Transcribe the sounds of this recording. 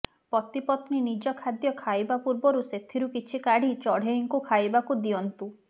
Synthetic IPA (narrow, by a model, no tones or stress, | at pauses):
pɔt̪ipɔt̪ninid͡ʒɔkʰad̪jɔkʰajbapuɾbɔɾuset̪ʰiɾukit͡ʃʰikaɽ̤it͡ʃɔɽ̤eiŋkukʰajbakud̪iɔnt̪u